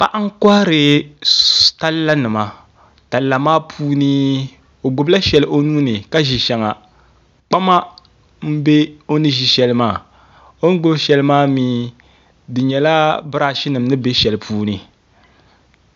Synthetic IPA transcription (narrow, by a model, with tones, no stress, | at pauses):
pa˦ʔa˦ŋ̩˦ka˦ɾɨ˨ | ta˦lla˦nɨ˨ma˨ | ta˨lla˨maː˦pʰuː˦ni˦ | o˨ɡʊ˨bla˦ʃɛ˨lʔo˦nuː˦nɨ˨ka˦ʒi˨ʃɛ˨ŋa˨ | k͡pa˦ma˦ | m̩˦be˦o˦nɨ˦ʒi˨ʃɛ˨lɨ˦maː˦˨ | o˦ŋ˦ɡʊ˦bʃɛ˨lɨ˦maː˦miː˦ | dɨ˨ɲɛ˨la˦bɨ˦ɾa˦ʃɪ˦nɨ˨m˦nɨ˦be˦ʃɛ˨lɨ˨pʰuː˦nɨ˨